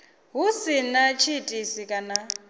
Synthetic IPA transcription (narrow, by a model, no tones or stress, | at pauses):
ɦusinat͡ʃʰitʼisikʼana